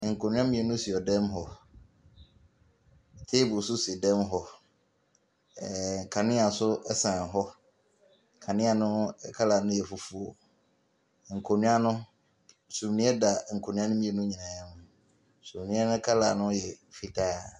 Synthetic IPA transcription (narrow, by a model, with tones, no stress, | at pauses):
ŋ̩˨kʰo˨nʊ̃˦ã˦mĩ˦ɛ˨nʊ̃˦si˨ɔ˨dɛ̃˦m˦ɦɔ˨ | tʰe˦bʊ˨sʊ˦sɪ˨dɛ̃˦mɦɔ˨ | ɛ˨kʰa˨nɪ̃˦a˨sʊ˦ɛ˦sã˨ɦɔ˦ | kʰã˨nɪ̃˦a˨nʊ̃˦kʰa˦laː˨nʊ̃˦jɛ˨fʊ˨fu˨o˨ | ŋ̩˨kʰo˨nʊ̃˦a˦nʊ̃˦˨ | sũ˨mnĩ˦ɛ˦da˨ŋ̩˨kʰo˨nʊ̃˦ã˦nʊ̃˦mĩ˦ɛ˨nʊ̃˦ɲĩ˨nã˨ã˦mʊ̃˦˨ | sũ˨mnĩ˦ɛ˦nʊ̃˦kʰa˦la˨nʊ̃˦jɛ˨fi˨tʰaː˦˨